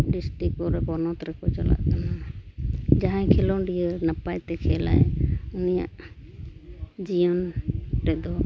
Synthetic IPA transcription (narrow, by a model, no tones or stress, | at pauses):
ɖisʈɾik̚pɔɾɛkɔnɔt̪ɾɛkɔt͡ʃɔla̰ʔt̪ana | d͡ʒaɦãkʰɛlɔnɖijəɾnapajt̪ɛkʰɛla̰junija̰ʔ | d͡ʒijɔnʈɛd̪ɔ